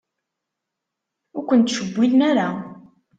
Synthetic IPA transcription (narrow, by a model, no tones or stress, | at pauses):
ʊɾkʷənt̪ːʃəbʷːilnaɾa